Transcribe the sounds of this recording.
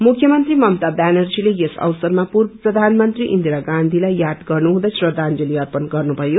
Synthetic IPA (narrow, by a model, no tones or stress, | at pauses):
mukʰjʌmʌnt̪rimʌmt̪abanʌrd͡zilejesʌ̰wsʌrmapurbʌprʌd̪ʱanmʌnt̪riʔḭnd̪iɾaɡand̪ʱilajjad̪ɡʌrnuɦũd̪ʌsrʌd̪ʱand͡zʌliʌrpʌnɡʌrnubʱʌjo